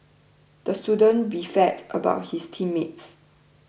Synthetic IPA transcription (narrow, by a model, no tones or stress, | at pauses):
d̥əstjudə̃nbifɛtʔə̰ba̰ʊt̚histʰĩmːets